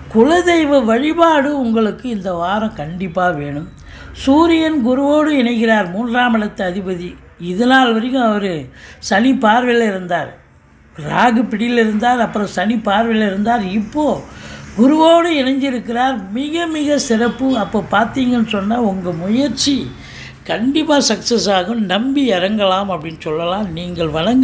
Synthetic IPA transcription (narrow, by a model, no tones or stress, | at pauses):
kʊɭɐðɛɪʋɐʋɐɻɪbaːɽɯʊŋɡɐɭɯkːɯɪnd̪ɐʋaːɾɐ̃kɐɳɖɪpːaːʋeːɳɯm | suːɾɪjɐnɡʊɾɯʋoːɽɯɪɳɐɪkːɪɾaːɾmuːndraːmɪɭɐt̪ːɐːðɪbɐði | ɪðɐnaːlʋɐɾɪjɯ̃ɐʋɐɾɯsɐnipaːɾʋɐɪlɪɾɯnd̪aːɾ | ɾaːɣɯpɪɽɪlɪɾɯnd̪aːɾɐpːɯɾɐ̃sɐnipaːɾʋɪlɪɾɯnd̪aːɾɪpːoːɡʊɾɯʋoːɽɯɛnɐɲd͡ʒɪɾɯkːɪraːɾmɪɣɐmɪɣɐsɪɾɐpːɯɐpːoːpaːɾt̪iːŋɡɐnːɯsɔnːaːʊŋɡɐmʊjɐɾt͡ʃːi | kɐɳɖɪpːaːsɐksɐsaːɣɯmnɐmbiɐɾɐŋɡɐlaːmɐpːɐɽɪnːsɔlːɐlãːniːŋɡɐɭʋɐɳɐŋɡ